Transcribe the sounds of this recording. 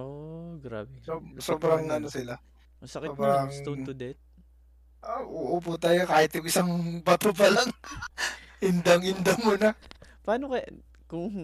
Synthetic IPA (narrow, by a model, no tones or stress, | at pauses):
oɡɾabɛsosoːbɾɐŋɐnosɪla | sbɾaŋd̪ɛt̪̚ | ʔaʔuʔoput̪aːjokaːhɪt̪jʊŋʔɪsaŋbɐt̪opɐlɐŋ | ʔɪnd̪ɐŋɪnd̪ɐmʊnɐpɐaːnokɐ | kʊŋ